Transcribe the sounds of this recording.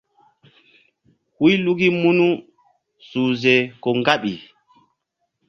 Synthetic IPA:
wu˦jlu˦ɡi˦mu˦nu˦ | suː˨zɛ˨kɔ˨ŋɡa˦ɓi˨

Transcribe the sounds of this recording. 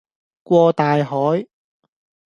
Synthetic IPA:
kʷɔː˧t̪aː˨jɦɔː˨˥j

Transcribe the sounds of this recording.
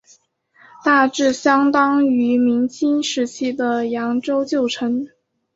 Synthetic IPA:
t̪a˥˧ʈ͡ʂɻ̩˥˩ɕjɑ˥ŋt̪ɑ˥ŋy˧˥mi˧˥nt͡ɕʰi˥nʂɻ̩˧˥t͡ɕʰi˥d̪ə˨jɑ˧˥ŋʈ͡ʂo˥ʊt͡ɕjo˥˩ʊʈ͡ʂʰə˧˥ŋ

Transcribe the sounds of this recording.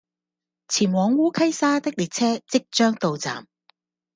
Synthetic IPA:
t͡sʰiː˨˩nwɔː˨˧ŋwuː˥kʰɐ˥jsaː˥t̪ɪ˥k̚liː˨t̚t͡sʰɛː˥t͡sɪ˥k̚t͡ʃœː˥ŋt̪o˨wt͡sa̰ː˨˩m

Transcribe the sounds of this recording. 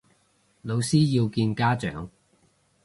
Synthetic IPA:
lo˨˧wsiː˥ji˧wkiː˧nkaː˥t͡ʃœ̰ː˨˥ŋ

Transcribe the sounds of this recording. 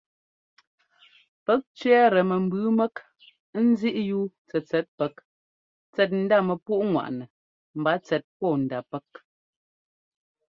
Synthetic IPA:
pɛ˦k̚t͡ʃɥɛ˦ɾə˨mə˨m̩˨bʉ˨˦mɛ˦k | n̩˦zi˦ʔju˦ | t͡sɛ˨t͡sɛ˨˦t̚pɛ˨˦k̚ | t͡sɛ˦t̬̚n̩˦da˦˨mə˨pu˦ʔŋwa̰˨ʔnɛ˨ | m̩˨ba˦t͡sɛ˨t̚pɔ˦˨n̩˨da˨pɛ˦k̚

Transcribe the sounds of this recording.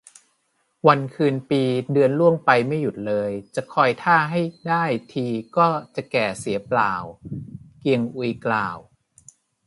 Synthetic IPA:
wa˧nkʰɯː˧npiː˧dɯ˧ənlu˥˩əŋpa˧jma˥˩jːu˨˩t̪̚lɤː˧jt͡ɕa˨˩kʰɔː˧jt̪ʰaː˥˩ɦa˥˩jdaː˥˩jt̪ʰiː˧kɔː˥˩t͡ɕa˨˩kɛː˨˩si˩˦ɐplaː˨˩wki˧əŋʔu˧klaː˨˩w

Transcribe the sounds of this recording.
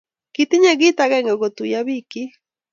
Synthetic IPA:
kiti˦ɲe˦ɣi˦taɣɛ˦ŋɡe˨ɣo˨tu˨ja˦βiki˦

